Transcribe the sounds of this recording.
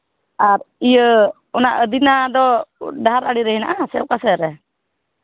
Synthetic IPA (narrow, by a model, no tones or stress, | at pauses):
aɾijə | ɔnaʔəd̪inad̪ɔɖaaɾaɽiɾɛɦina̰ʔasɛɔʔkasɛɾɛ